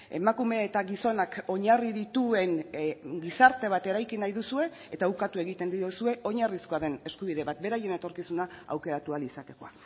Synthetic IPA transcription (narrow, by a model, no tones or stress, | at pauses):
e̞̰makume̞ːt̪aɣiso̞nako̞ɲariðit̪ue̞ŋɡisaɾt̪e̞β̞at̪e̞ɾajkinajðusue̞ | et̪aukat̪ue̞ɣit̪e̞nd̪iosue̞o̞ɲarisko̞aðe̞ne̞skuβ̞iðe̞βat̪̚be̞ɾaje̞ne̞t̪o̞ɾkisunaa̰wke̞ɾat̪ualisat̪e̞ko̞a